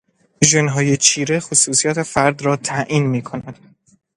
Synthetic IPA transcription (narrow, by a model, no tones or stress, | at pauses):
ʒenɦɒːjet͡ʃʰiːɾexosuːsijɒːt̪ʰe̞fæɾd̪ɾɒːt̪ʰæʔiːnmiːkʰonæd̪̥